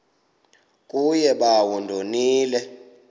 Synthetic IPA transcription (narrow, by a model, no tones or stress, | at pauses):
kʼujɛɓawundʱoniːlɛ